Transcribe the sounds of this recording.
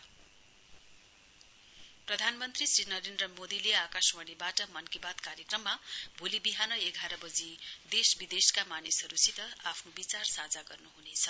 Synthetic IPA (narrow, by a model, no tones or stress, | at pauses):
prʌd̪ʱanmʌnt̪risrinʌɾend̪rʌmod̪ileakasmʌɽibaʈʌmʌnkibat̪kaɾjekrʌmːabʱolibiɦanʌeɡʱaɾʌbʌd͡zid̪esbid̪eskamanisɦʌɾusit̪ʌapʰnobit͡sarsad͡zaɡʌrnuɦunet͡sʰʌ